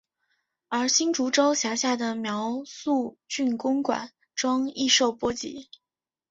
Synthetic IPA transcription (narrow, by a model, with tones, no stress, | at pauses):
ə˞˧˥ɕi˥nʈ͡ʂu˧˥ʈ͡ʂo˥ʊɕja˧˥ɕja˥˩d̪ə˩mjɑ˧˥ʊsu˥˧t͡ɕy˥˩nkʊ˥ŋkwa̰˨˩˦n | ʈ͡ʂwɑ˥ŋi˥˧ʂo˥˩ʊpwɔ˥t͡ɕḭ˧˥˦